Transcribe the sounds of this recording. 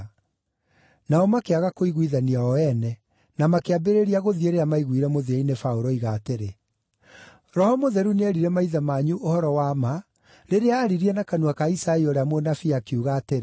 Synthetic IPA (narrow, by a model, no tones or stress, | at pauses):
naɔmakeaɣakoiɣwiðaniaɔɛnɛ | namakeabeɾeɾiaɣoðieɾeamaiɣwiɾɛmoðiainefaoɾɔiɣaːteɾe | ɾɔhɔmoðɛɾuneɛɾiɾɛmaiðamaɲuʔohɔɾɔwama | ɾeɾeaːɾiɾianakanuakaisaioɾeamonafiakeuɣaːteɾe